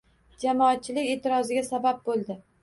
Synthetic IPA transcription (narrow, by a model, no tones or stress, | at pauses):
d͡ʒamɒat̪̚t͡ʃʰːɪlɪkʲe̞ːt̪ʰɪɾɒzɪɡʲasabab̚bolˠd̪ɪ